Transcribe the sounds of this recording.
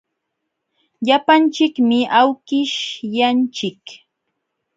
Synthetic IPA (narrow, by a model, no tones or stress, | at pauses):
ʎapant͡ʃɪkmɪʔawkɪʃjant͡ʃɪk